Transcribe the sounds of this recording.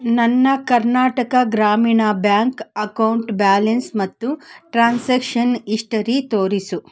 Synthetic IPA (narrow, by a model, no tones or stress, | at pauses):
nɐnːɐkɐɾnaːʈɐkɐɡɾaːmiːɳaːbjaːŋkɐkɐwɳʈbaːlɐnsmɐt̪ːuʈɾaːnseːkʂɐniʂʈɐɾit̪oːɾisu